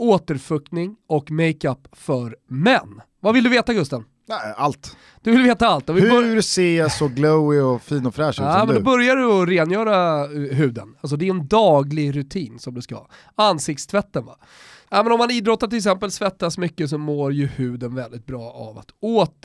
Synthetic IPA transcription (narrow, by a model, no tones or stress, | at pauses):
oːt̪əɾfɵk̚nɪŋɔkmɛɪkapː | fœɾmɛnː | vavɪld̪ɵveːt̪aɡɵst̪a | nɛalt̪ | d̪̥ɵvɪlveːt̪aalt̪ːɔvɪɾseːsɔɡləwɪɔfiːnɔfɾɛːʂɔamɛnd̪ɔbœɾjaɖɪɔɾeːnjœːɾaɦʉ̟ːd̪ə̰nals̬ɔd̪ɛɛnd̪ɑːɡlɪɡɾɵt̪ʰiːnsɔmd̪ɵskaɑ̰ː | ansɪk̚t̪st̪ʰvɛt̪ːənva̰ | nɛːmɛnɔmːaniːd̪ɾɔt̪ːaɾʈʰɪlɛksɛmpəlsvɛt̪ːasmʏkːəs̬ɔmoːɾjɵhʉ̟ːd̪ənvɛld̪ɪt̪̚bɾɑːa̰va̰t̪oːt̪